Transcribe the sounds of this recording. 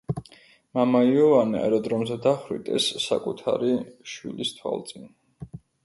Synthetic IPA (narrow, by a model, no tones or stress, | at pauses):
mamaiɔvaniɛ̰ɾɔd̪ɾɔmzɛd̪aχɾḭt̪ʼɛ̰sːa̰kʼut̪ʰaɾiʃwḭlist̪ʰwa̰lˠt̪sʼin